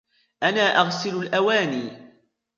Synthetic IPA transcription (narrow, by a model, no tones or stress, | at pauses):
ʔanaːʔaɣsɪlʊlʔawaːniː